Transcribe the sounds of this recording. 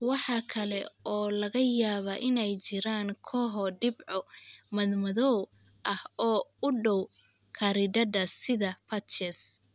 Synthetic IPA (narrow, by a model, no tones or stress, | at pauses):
wɑħɑkʰɐlɛ̰ɔːlɐɣɐjaːβɐʔɪnɛjt͡ʃɪɾaːŋkʰɔːɦɔɖɪbʕɔmɐðmɐðɔw | ʔɐhɔːʊɖɔw | kʰɐɾɪdɐdɐsɪðɐpʰɐtt͡ʃɛs